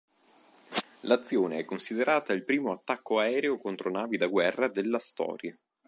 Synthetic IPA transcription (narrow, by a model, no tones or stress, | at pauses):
lat̪sːjoːneɛkːonsid̪eɾʔaːt̪ailpɾiːmoat̪ːakːoaɛːɾeokont̪ɾonaːvid̪aɡwɛrːad̪elːast̪ɔ̰ːɾja